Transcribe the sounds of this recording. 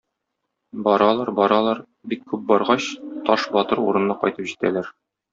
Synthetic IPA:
bɒɾɑlˠɑɾbɒɾɑlˠɑɾ | bikːʉp̚bɒɾʁɑɕt̪ɒʃbɒt̪ɤɾṵɾɤ̆nːɑqɒ̰jt̪ɤpʑit̪æ̰læɾ

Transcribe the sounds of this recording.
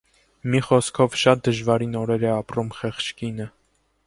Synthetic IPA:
miχɔskʰɔvʃɑt̪̚d̪əʒvɑɾinɔɾɛɾɛɑprumχɛχt͡ʃʰkinə

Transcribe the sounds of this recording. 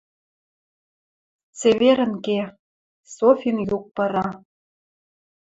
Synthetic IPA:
t͡seβeɾə̆nke | sofʲinjuk̚pɤ̆ɾɑ

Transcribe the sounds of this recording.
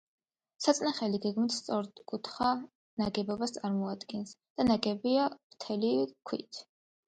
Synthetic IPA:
sat̪sʼnaχɛliɡɛɡmit̪ʰst̪sʼɔɾkʼut̪ʰχa | naɡɛbɔbast̪sʼaɾmɔad̪ɡɛnsd̪̥anaɡɛbiavt̪ʰɛlikʰwḭt̪ʰ

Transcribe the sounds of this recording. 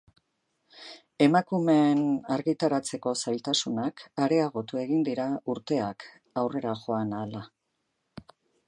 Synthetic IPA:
e̞makume̞naɾɣit̪aɾat͡se̞ko̞sajlt̪asunakaɾe̞aɣ̞o̞t̪ue̞ɣind̪iɾauɾt̪e̞ak | awre̞ɾaʝo̞anala

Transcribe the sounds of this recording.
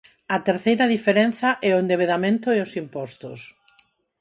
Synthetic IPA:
ɐt̪eɾθejɾɐðifeɾen̟θɐʔɛʊend̪eβeðamẽnt̪ʊeosimpɔst̪ʊs

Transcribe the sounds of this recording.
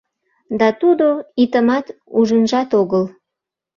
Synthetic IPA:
d̪ɑt̪ud̪oit̪əmɑt̪uʒənʒɑt̪oɣəl

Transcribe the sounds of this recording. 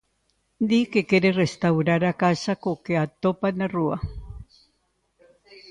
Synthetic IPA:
d̪ikekeɾerest̪awɾaɾakasakokeat̪opanarua̰

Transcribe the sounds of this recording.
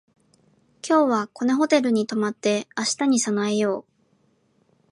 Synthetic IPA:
kʲʰo̞ːβako̞ne̞ɦo̞t̪e̞ɾɯ̟ɲ̟it̪o̞mat̪ːe̞aɕi̥t̪aɲ̟isanaejo̞ː

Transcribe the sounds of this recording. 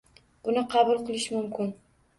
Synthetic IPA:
b̥ʊnɪqʰɑbʊlˠqʰɨlˠɪʃmʊmkʲʰɪn

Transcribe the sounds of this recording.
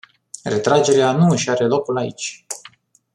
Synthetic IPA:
re̞t̪ɾad͡ʒe̞ɾeanuɨʃaɾe̞lo̞kulaḭt͡ʃʲ

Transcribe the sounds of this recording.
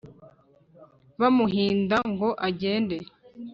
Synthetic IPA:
βamuɦiːndaŋɡo̞ʔaɟe̞ːnde̞

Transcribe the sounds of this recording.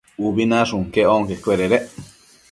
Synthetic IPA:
ubinãʂuŋkeoŋkekʷeɾeɾe

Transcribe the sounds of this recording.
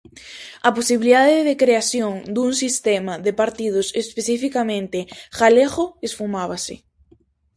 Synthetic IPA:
aposiβiliðaðɪðekɾeaθjoŋd̪uŋsist̪ɛmaðepaɾt̪iðʊsespeθifikamẽnt̪ɪxaleɣoesfumaβasɪ̰

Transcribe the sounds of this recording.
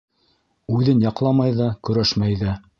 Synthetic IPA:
ʉðɘnjɑqlˠɑmɑjðɑkɵ̆ɾæʃmæjðæ

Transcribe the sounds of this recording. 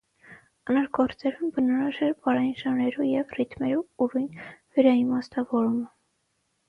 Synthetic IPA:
ɑnɑɾɡɔɾt͡sɛɾumbənɔɾɑʒɛɾbɑɾɑjinʒɑnɾɛɾujɛvrit̪mɛɾuuɾujnvɛɾɑjinmɑst̪ɑvɔɾumə

